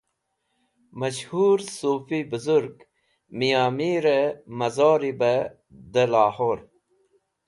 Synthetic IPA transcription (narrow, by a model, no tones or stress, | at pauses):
mɐɕhuːɾsoːfibəzuɾɡ | mijaːmiːɾəmɐzoːɾibə | d̪əlaːhoɾ